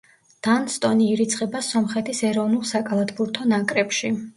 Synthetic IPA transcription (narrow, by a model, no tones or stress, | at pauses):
d̪̥anst̪ʼɔniːɾit̪sʰχʼɛbasɔmχɛt̪ʰisɛɾɔvnulˠsakʼalˠad̪buɾt̪ʰɔnakʼɾɛpʃi